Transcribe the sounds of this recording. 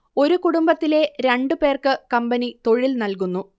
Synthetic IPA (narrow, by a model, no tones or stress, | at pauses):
o̞ɾukuɽumbɐt̪ːile̞ɾe̞ɳɖupe̞ːrkɨkɐmbɐnit̪o̞ɻilnɐlkunːu